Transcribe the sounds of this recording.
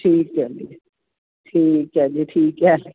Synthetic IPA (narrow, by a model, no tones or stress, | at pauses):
ʈʰiːkɛdi | ʈʰiːkɦɛːd͡ʒiʈʰiːkɦɛ